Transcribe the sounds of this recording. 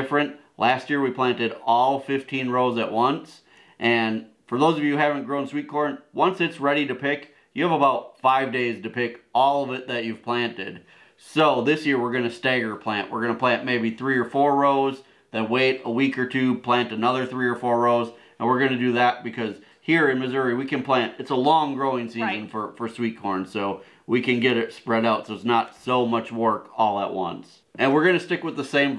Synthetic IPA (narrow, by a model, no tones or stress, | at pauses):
fɹɨ̃nʔ | læst̚jɪɹwipʰl̥æ̃ntɨɾɔlˠfɪftʰĩnɹoʊzɨ̰ʔ̚wʌ̃ns | ʔɨ̃n | fə˞ðoʊzʌvjɨhævɨ̃n̩ɡ̥ɹõʊ̃nswit̚kʰɔɹnwʌ̃nsɨtsɹɛɾiɾɨpʰɪk | jɨːvəbaʊt̚faɪvdeɪztɨpɪkɔlˠʌvɨt̪̚ðɨt͡ʃʉv̥pʰl̥æ̃ntɪ̰d̥ | soʊðɪsjɪɹwɪɹɡʌnɨstæɡə˞pʰl̥æ̃nʔwɪ̰ɹɡʌnəpʰl̥æ̃nʔmeɪbiθɹiə˞fɔɹːoʊz | ðɨ̃t̚weɪɾəwikə˞tʰʉpʰl̥æ̃ntɨnʌðə˞θɹiə˞fɔɹɹoʊz | ɨ̃nwɨɹɡʌnɨdɨðɨt̚b̥ɨkʰʌz̥ | hiɹɨ̃nmɨzʊɹiwikɨ̃npʰl̥æ̃ntɨtsəlɔ̃ŋɡɹoʊɪ̃ŋsizɨ̃nfə˞fə˞swit̚kʰɔɹnsoʊ | wikɨ̃nɡɛɾɪtspɹɛɾaʊtsoʊɨtsnətsoʊmʌt͡ʃwɜ˞kɔlˠəʔ̚wʌ̰̃ns | ʔɨ̃nwɨɹɡʌnɨstɪkwəðəsẽɪ̃m